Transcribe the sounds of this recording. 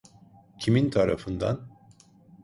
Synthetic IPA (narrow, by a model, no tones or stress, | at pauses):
cʰimint̪ʰaɾa̰fɯnd̪a̰n